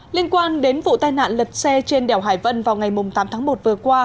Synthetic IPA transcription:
li˧ənkwaː˧nɗe˨˦nvṵ˧˨t̪aː˧jna̰ː˧˨nlə˨˩t̚sɛ˧t͡ɕe˧nɗɛ˨˧˩wɦaː˧˩jvə˧nvaː˨˩wŋa˨˩jmʊ˨˩ŋ͡mt̪aː˨˦mt̪ʰaː˨˦ŋmo˨˩t̚vɨ˨˩əkwaː˧

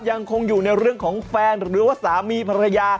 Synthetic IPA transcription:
ja˧ŋkʰo˧ŋjuː˨˩na˧jɾɯ˥˩əŋkʰɔː˩˦ŋfɛː˧nɾɯː˨˩˦waː˧˥˩saː˩˦miː˧pʰa˧ɾa˧jaː˧

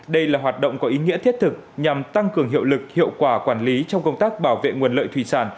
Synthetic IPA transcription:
ɗə˧jlaː˨˩ɦwaː˨˩t̚ɗə̰˧˨wŋ͡mkɔ˨˦ʔi˨˦ŋḭ˧˥ət̪ʰt̚t̪ʰɨ˨˩k̚ɲa˨˩mt̪a˧ŋkɨ˨˩əŋɦḭ˧˨əwlɨ˨˩k̚hḭ˧˨əwkwaː˧˩kwaː˧˩nli˨˦t͡ɕɔ˧wŋ͡mkə˧wŋ͡mt̪aː˦˥k̚ɓaː˧˩wvḛ˧˨ŋu˨˩ənlə̰ː˧˨jt̪ʰwi˧˨˩saː˧˩n

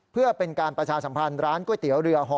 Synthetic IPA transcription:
pʰɯ˥˩ɐpe˧nkaː˧npɾa˧t͡ɕʰaː˧sa˩˦mpʰa˧nɾaː˦˥nku˥˩əjt̪i˩˦əwɾɯ˧ɐɦɔː˦˥

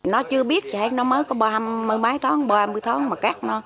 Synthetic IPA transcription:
nɔ˨˦t͡ɕɨ˧əɓi˦˥ət̚t͡ɕi˨˩he˨˦˥j̚nɔ˨˦məː˨˦jkɔ˨˦ɓɔ˧mːɨ˨˧əjmaː˨˦jt̪ʰɔ˨˦ŋɓɔ˧a˧mɨ˧jt̪ʰɔ˨˦ŋmaː˨˩kaː˦˥k̚nɔ˨˦

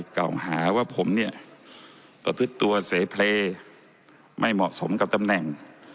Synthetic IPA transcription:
ka̰˨˩whaː˩˦waː˥˩pʰo˩˦mni˥˩ɐ | pa˧t̪ʰu˦˥˩t̪ːu˧ɐseː˨˩˦pʰleː˧ | mʔa˥˩jmɔ̰˨˩ʔso˩˦mka˨˩p̚t̪a˧mnɛ˨˩ŋ

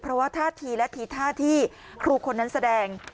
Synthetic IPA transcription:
pʰɾɔ˦˥waː˥˩t̪ʰaː˥˩t̪ʰiː˧lɛ˦˥t̪ʰiː˧˩t̪ʰaː˥˩t̪ʰiː˥˩ | kʰɾuː˧kʰo˧nːa˦˥nsa˧dɛː˧ŋ

